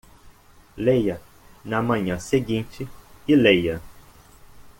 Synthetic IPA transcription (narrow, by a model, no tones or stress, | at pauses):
lejɐ | nɐmɐ̃ɲɐ̃seɡĩnt͡ʃɪɪlejɐ